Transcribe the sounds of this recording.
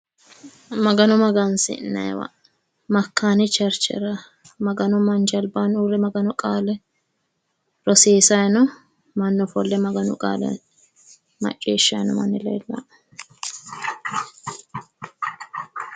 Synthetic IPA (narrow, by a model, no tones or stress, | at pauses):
mɐɡɐnɔmɐɡɐnsɪ̰nːɐ̰jwɐ̰ | mɐkʰːaːnɪt͡ʃɛɾt͡ʃɛ̰ɾɐ | mɐɡɐnɔmɐnt͡ʃɐlbaːnuːɾɛmɐɡɐnɔkʼaːlɛ | ɾɔseːsajnɔ | mɐnːɔfɔlːɛmɐɡɐnʊ̰kʼa̰ːlɛ̰ | mɐ̰t͡ʃʼːḛːʃːɐjnɔmɐ̰nːɪlɛ̰ɛlːɐ̰